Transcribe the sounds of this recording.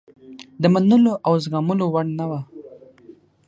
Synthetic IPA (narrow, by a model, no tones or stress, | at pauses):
d̪əmanəloʔawzɣɑmʊlowaɽnawa